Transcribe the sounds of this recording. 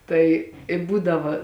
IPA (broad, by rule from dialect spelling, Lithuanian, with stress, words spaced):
ˈtɐɪ ɪ ˈbuːdɐʋɐ